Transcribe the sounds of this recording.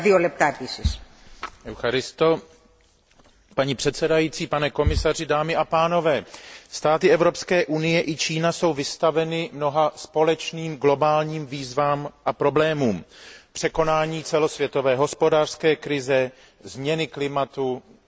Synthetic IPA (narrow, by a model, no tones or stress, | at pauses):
ðiolɛp̚t̪apisisʔɛwxaɾɪst̪o | paɲipr̥ɛt̪sɛdajitt͡siːpanɛko̞mɪsar̝ɪdaːmɪʔapaːno̞vɛːst̪aːt̪ɪɛvɾo̞pskɛːʔunɪjɛʔɪt͡ʃiːnaso̞wvɪst̪avɛnɪmno̞ɦaspo̞lɛt͡ʃniːmɡlo̞baːlɲiːmviːzvaːmʔapɾo̞blɛːmuːmpr̝̥ɛko̞naːɲiːt͡sɛlo̞svjɛt̪o̞vɛːɦo̞spo̞daːr̥skɛːkɾɪzɛ | zmɲɛnɪklɪmat̪u